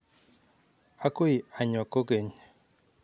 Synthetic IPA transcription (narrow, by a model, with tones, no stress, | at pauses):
a˦ko˦i˨a˨ɲɔ˨ko˦ke˨ɲe˨